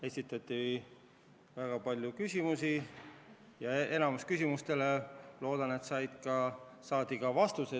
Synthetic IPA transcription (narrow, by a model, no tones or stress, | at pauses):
e̞sit̪ːˑɑt̪ːˑi | væɡ̥ɑpɑlʲjukysʲimusi | jɑe̞nɑmuskysʲimust̪e̞lelo̞ːd̪̥ɑne̞t̪sɑjd̪̥kɑsɑːd̪̥iɡ̥ɑvɑst̪use